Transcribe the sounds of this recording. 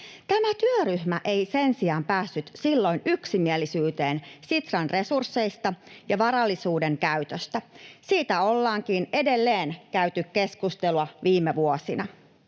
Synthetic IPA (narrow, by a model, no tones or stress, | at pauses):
t̪æmæt̪yøryhmæʔeisensiɑːmpæːsːyt̪silːo̞inyksimielisyːt̪e̞ːnsit̪rɑnre̞sursːe̞ist̪ɑjɑʋɑɾɑlːisuːde̞ŋkæyt̪øst̪æsiːt̪æo̞lːɑːŋkine̞de̞lːeːnkæyt̪ykkeskust̪eluɑʋiːmeʋuosinɑ